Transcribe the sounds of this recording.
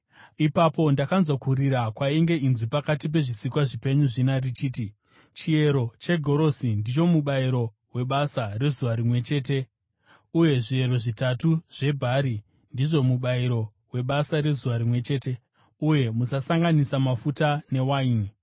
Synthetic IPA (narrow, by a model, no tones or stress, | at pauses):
ipapo̞ndakanzokuɾiɾakwaiŋɡe̞inzipakatip̬e̞ʐisikwaʐipe̞ɲuʐinarit͡ʃiːti | t͡ʃie̞ɾo̞t͡ʃe̞ɡʱo̞ɾo̞sindit͡ʃo̞muɓaiɾo̞ | we̞ɓasare̞zuʋaɾimwe̞t͡ʃe̞ːte̞ | uje̞ʐie̞ɾo̞ʐitatuʐ̥e̞bʱaɾi | ndiʐo̞muɓaiɾo̞ | we̞ɓasaɾe̞zuʋaɾimwe̞t͡ʃe̞ːte̞ | uje̞musasaŋɡanisamafutane̞waːɲi